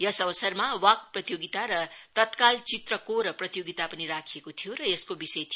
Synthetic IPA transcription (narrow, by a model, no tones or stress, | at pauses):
jʌsʌbʌsʌrmawʌk̚prʌt̪joɡit̪aɾʌt̪ʌt̪kalt͡sit̪rʌkoɾʌprʌt̪joɡit̪apʌniɾakʰijekot̪ʰijoɾʌeskobisʌjt̪ʰi